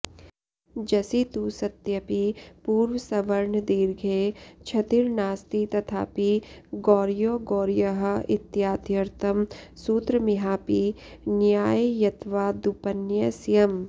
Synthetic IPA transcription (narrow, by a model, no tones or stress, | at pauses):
d͡ʒɐsit̪usɐt̪jɐpipuːɾʋəsɐʋɐɾɳd̪iːɾɡʱeːt͡ʃʰɐt̪iɾnaːst̪it̪ɐt̪ʰa̰ːpiɡɔːɾjoːɡoːɾjɐɦ̆ɪt̪jaːd̪jɐɾt̪ʰɐmsuːt̪ɾəmɪɦaːpi | njaːjjɐt̪ʰʋaːd̪upɐnjɐsijɐm